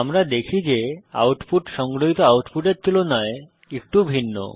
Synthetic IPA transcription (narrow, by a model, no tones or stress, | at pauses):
amɾad̪ekʰid͡ʑea̰wʈfuʈʃɔŋɡɾoɦit̪oawʈfuʈeɾt̪ulonɔe | ek̚ʈubʱinːo̰